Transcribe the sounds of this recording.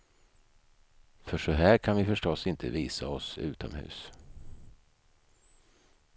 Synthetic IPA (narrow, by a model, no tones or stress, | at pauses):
fœʂɔɦæːɾkʰanvɪfœʂʈɔsɪnt̪ʰə̰viːsaɔsʉ̟̰ːt̪ɔmhʉ̟̰ːs